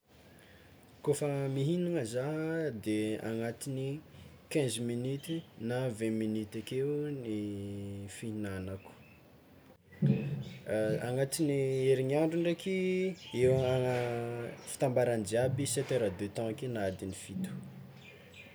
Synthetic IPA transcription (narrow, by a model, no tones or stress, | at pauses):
kofəmiɦiniŋəzaɦd̪ea̰ŋat̪ini | kɛ̃zminyt̪inavɛ̃minyt̪akeuni | fiinanaku̥ | aŋat̪inieɾiɲiaɳɖ͡ʐuɳɖ͡ʐekʲiewaəfi̥t̪ãmbaɾand͡ʒiabiset̪eɾəd̪øt̪ɔ̃kenad̪inifit̪u̥